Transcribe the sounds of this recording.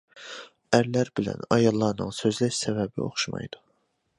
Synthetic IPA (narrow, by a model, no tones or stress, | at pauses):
æɾlæɾbilæ̰nɑjɑlˠːɑɾnɯnsø̞zlæʃsæbæbḭo̞̰χʃmɑ̰jd̪̥ɯ̥